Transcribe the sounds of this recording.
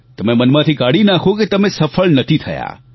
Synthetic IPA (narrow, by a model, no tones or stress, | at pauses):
t̪əmemənmãt̪ʰikaɽinakʰoket̪əmesəfəɭnət̪ʰit̪ʰə̰ja̰